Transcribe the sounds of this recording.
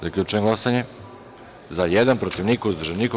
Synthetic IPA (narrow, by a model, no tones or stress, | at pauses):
zakʎʲuːt͡ʃeeɡlˠasaɲe | zajed̪anpɾot̪iʋnikouzd̪ɾʒeniko